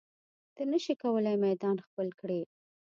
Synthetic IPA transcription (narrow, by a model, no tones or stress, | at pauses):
d̪̥ənəʃikawəlajmajd̪ɑnxpəlkɽe